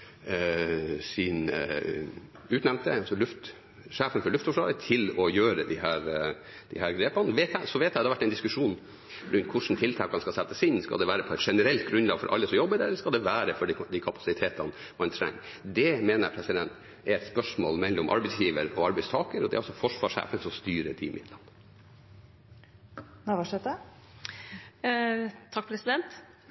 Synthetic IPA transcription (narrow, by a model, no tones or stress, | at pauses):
sɪn | ʉːt̪nɛnt̪əɑsɔlʉft̪ | ʂæːfənfɔɭʉft̪fɔʂlɑ̰ːd̪ət̪ʰɪlɔjøːɾəd̪ɪhæːɾ | d̪ɪhæːɾɡɾeːpɑnʋeːt̪æsɔʋeːt̪ːæd̪ɛɑɾʋæʈːɛɪnd̪ɪskʉʂuːn | ɾʉnt̪kʰʊʂn̩t̪ʰɪlt̪ʰɑːkɑnskɑsɛt̪ːəsɪnskɑ̰d̪ɛʋæːɾəpʰɔɛɪt̪ʂɛnəɾɛlt̪̚ɡɾʉnd̪lɑːɡfɔ̰ɾʔɑ̰lːəsɔmjɔbːəɖɛɛlːəʂkɑld̪ɛʋæːɾəfɔɖɪd̪ikʰɑpɑ̥sɪt̪ʰeːt̪ɑn | mɑnt̪ʰɾɛ̰ŋː | d̪ɛmeːnə̰ɾpʰɾɛsɪd̪ɛnt̪ | ɛɾɛt̪spœʂmoːlmɛlːɔmʔɑ̰ɾbɛɪsjiːʋəɾɔɑɾbɛɪst̪ʰɑːkəɾɔd̪ɛ̰æɾɔsɔfɔʂʋɑːʂhæ̰ːfənsɔmst̪yːɾət̪ʰḭːmʔɪ̰d̪lɑnː | nɑʋɑʂɛt̪ə | t̪ʰɑkːpʰɾɛsɪd̪ɛnt̪